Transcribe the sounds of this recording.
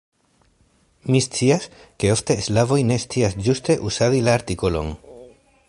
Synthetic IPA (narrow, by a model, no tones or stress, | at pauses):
mist͡siaske̞o̞ft̪e̞slavo̞jne̞st͡siasd͡ʒust̪e̞ʔusaðilaːɾt̪iko̞lo̞̰n